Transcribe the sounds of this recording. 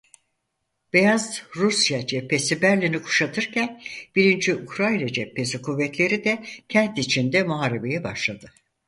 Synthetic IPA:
b̥ejazɾusjad͡ʒɛpʰːe̞sibæɾlʲinikʰu̥ʃat̪ʰɯɾcʰænb̥iɾind͡ʒiukʰɾajnad͡ʒɛpʰːe̞sikʰuvːɛt̪lʲe̞ɾid̪ɛcʰɛnt̪it͡ʃʰind̪ɛmuɦaːɾebe̞jɛbaʃlˠad̪ɯ

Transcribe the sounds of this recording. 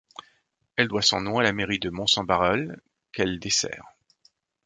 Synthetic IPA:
ɛld̪wasɔ̰̃nɔ̃alameʁid̪əmɔ̃sɑ̃baʁɔl | kɛld̪esɛ̰ːʁ

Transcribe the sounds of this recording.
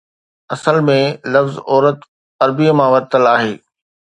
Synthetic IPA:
ɐsəlmẽlɐfzɔːɾət̪ | ɐɾbijmãʋɐɾt̪əlaːɦeː

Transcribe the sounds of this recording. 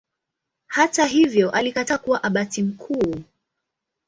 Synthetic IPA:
hataɦivjɔʔalikatakuwaʔaɓatim̩kʰuː

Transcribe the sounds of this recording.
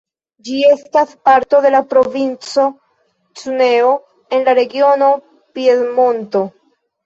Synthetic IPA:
d͡ʒie̞staspaɾto̞de̞lapɾo̞vint͡so̞ | t͡sune̞o̞ | e̞nlaɾe̞ɡio̞no̞ | piedmo̞nto̞

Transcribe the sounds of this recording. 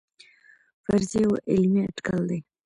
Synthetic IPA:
faɾzeoʔɪlmiaʈkald̪aj

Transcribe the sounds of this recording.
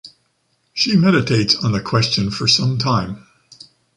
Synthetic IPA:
ʃimɛɾɨtʰeɪtsn̩ðɨkʰw̥ɛst͡ʃɨ̃nfə˞sʌ̃mtʰãɪ̃m

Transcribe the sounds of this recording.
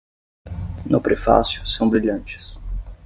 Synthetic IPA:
nʊpɾefa̰sjʊsɐ̃w̃bɾiʎɐ̃t͡ʃɪ̥s

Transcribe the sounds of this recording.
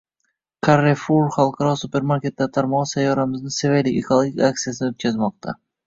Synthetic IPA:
kʰaɾefuɾχalˠqʰɑɾɒsupe̞ɾmaɾkʲe̞t̪̚ːat̪ʰaɾmɒʁsajːɒɾamɪznɪsevelikʲḛkolˠoɡʲikʲak̚t̪ijasɪnɪot̪̚kʲazmɒq̚t̪ʰa̰

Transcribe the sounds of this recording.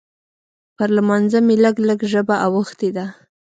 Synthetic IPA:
pəɾlmɑnzameləɡləɡʒəbaʔawəxt̪ed̪a

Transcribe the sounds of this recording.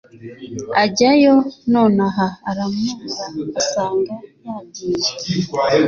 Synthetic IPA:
aɟajononaɦaːɾamuːzaasaːŋɡajaːɟiːna

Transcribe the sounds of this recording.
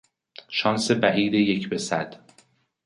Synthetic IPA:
ʃɒːnsebæʔiːd̪ejecʰbe̞sæd̪̥

